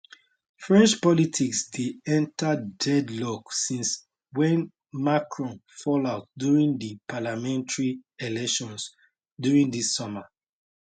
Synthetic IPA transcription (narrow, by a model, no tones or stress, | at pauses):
fɹɛ̃nt͡ʃpɔlitʰiksdeɛ̃ntʰadɛdlɔksĩns | wɛ̃n | makʰɹɔ̃nfɔlaʊt̚djuɹĩŋdipʰalamɛ̃ntaɹielɛkʃɔ̃ns | djuɹĩŋdisːɔma